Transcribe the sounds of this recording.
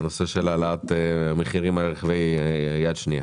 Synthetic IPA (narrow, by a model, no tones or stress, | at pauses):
nose̞ʃelalat̪emeχiʁimalʁeχavejjad̪ʃnija̰